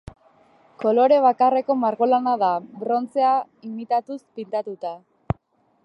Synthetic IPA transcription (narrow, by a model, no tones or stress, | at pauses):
ko̞lo̞ɾe̞β̞akare̞ko̞maɾɣolanaðabɾo̞nt͡se̞a | imit̪at̪uspint̪at̪ut̪a